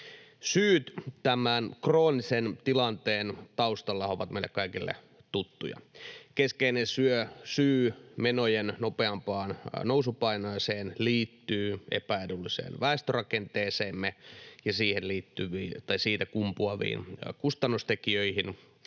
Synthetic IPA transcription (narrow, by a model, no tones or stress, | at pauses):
syːt̪t̪æmænkroːnisent̪ilɑnt̪eːnt̪ɑust̪ɑlːɑhɑoʋɑt̪mḛilːḛkɑikilːḛ | t̪ut̪ːujɑ̰keskeinesyøsyːmenojennopeɑmpɑːnnousupɑinɑːseːnliːt̪ːyːḛpæeɾulːisḛːnʋæest̪ørɑkent̪eːseːmːejɑsiːhenliːt̪ːyʋiːt̪ɑisiːt̪ækumpuɑʋḭːnkust̪ɑnːust̪ekiøihin